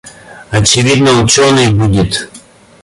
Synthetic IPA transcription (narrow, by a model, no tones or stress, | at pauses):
ɐt͡ɕɪvʲid̪nəʊt͡ɕonɨjbudʲɪt̪